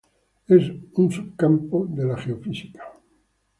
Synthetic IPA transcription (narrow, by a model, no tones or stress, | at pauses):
esunsubkampod̪elaχeofisi̥kḁ